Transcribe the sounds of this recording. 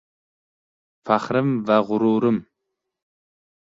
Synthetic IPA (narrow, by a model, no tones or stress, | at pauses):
faχɾɨmvæʁʊɾuːɾɨm